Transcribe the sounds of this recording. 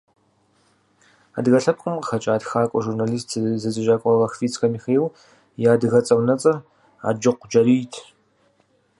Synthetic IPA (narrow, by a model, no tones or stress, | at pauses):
a̰dɣɐɬɐkʷʼʊmqxɐt͡ʃʼaːdxaːkʷʼɔʒurnaːliːstʰzɨzɨʒaːkʷʼɔʁɐxfiːt͡sʼkɐmiːxeːw | jaːdɨɣɐt͡sʼɐwnɐt͡sʼɐr | a̰ːd͡ʒɨqʷd͡ʒɐɾiːjtʰ